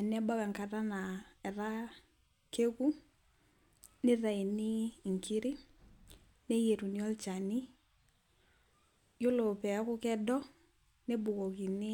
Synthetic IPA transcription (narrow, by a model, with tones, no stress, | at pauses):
a˨nɛ˦ba˦ka˨ŋka˨ɾa˦na˨ɛ˨ɾa˦ | ke˦ku˦ | nɪ˦ɾa˨i˨nɪ˦˨ŋkɪ˦ɾɪ˦ | ne˦je˨ɾu˨ni˨˦ɔ˦lt͡ʃa˨ni˦ | jo˦lo˨pɛ˨˦kʊ˦kɛ˦dɔ˦ | ne˦bʊ˨kɔ˨ki˨nɪ˦